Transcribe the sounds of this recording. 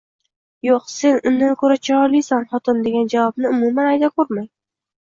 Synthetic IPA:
joqse̞nʊnd̪ankʰoɾat͡ʃʰɒɾlijsanχɒt̪ʰɪnd̪e̞ɡʲand͡ʒavɒbnɪʊmumanajd̪akʰoɾmaj

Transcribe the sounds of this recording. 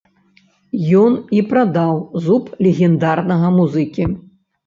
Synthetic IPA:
jɔnipɾad̪awzuplʲɛɣʲɛnd̪arnɐɣɐmuzɨkʲi

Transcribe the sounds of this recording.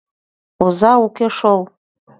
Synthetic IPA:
uzaukʲeʂol

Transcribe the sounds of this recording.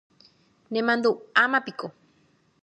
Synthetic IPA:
nemand̪uamapiko

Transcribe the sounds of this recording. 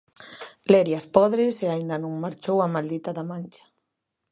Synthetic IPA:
leɾjaspɔðɾeseaind̪anũŋmaɾt͡ʃowamald̪it̪aðamãnʲt͡ʃḁ

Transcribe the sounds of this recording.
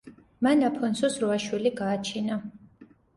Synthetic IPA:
manapʰɔnsʰɔsɾuaʃwiliɡaːt͡ʃʰina

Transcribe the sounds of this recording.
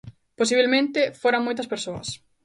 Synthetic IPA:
posiβelmẽnt̪ɪfoɾaŋmojt̪ɐspeɾsoɐ̰s

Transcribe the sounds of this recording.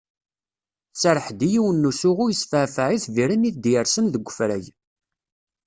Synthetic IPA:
t͡sːəɾˤəħd̪ijiwənːusʊʁʊjəsfəʕfəʕiθviɾəniθd̪jəɾsənðəɡʷːəfɾæ̰j

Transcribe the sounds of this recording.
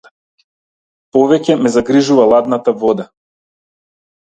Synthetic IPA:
pɔvɛcɛmɛzaɡɾiʒuvalˠad̪nat̪avɔd̪a

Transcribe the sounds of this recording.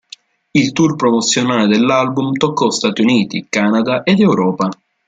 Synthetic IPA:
ilt̪urpɾɔmot̪sːjonaːled̪elːalbumt̪ɔkːɔst̪at̪iuniːt̪ikaːnad̪aʔed̪ɛwɾɔːpa

